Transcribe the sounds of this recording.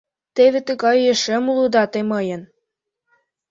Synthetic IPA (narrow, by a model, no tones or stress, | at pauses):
t̪eβet̪əɣɑjeʃĕmlud̪ɑt̪emɤjə̆n